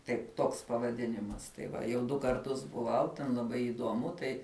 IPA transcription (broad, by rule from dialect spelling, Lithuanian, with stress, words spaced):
ˈtɐɪp ˈtoːks pɐʋɐˈdʲɪnʲɪmɐs tɐɪ ˈʋɐ jɛʊ ˈdʊ kɐrˈtʊs bʊˈʋɐʊ tʲɛn lˠɐˈbɐɪ ɪˈduɔmʊ ˈtɐɪ